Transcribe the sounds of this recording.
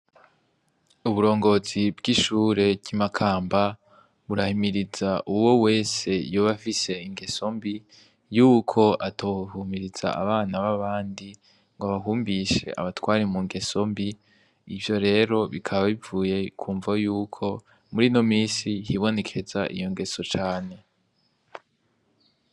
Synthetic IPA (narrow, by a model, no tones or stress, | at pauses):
uβuɾo̞ːŋɡo̞zibɡiʃuːɾe̞bɟ̥imakʰaːmba | βuɾahimiɾizaʔuwo̞we̞ːse̞joβafise̞iŋɡe̞so̞mbi | juːkʰo̞ʔatʰohumiɾiz̥a̰a̰βaːnaβaβaːndi | ŋɡoaβaɦuːmbiʃe̞̰ʔa̰βatwaːɾimuŋɡe̞so̞mbi | ivjo̞ɾe̞ːɾo̞βikʰaβaβivuːje̞kʰuːɱvajuːkʰo̞ | muɾino̞miːsihiβo̞ne̞kʰe̞zaʔḭjo̞ŋɡe̞so̞t͡ʃaːne̞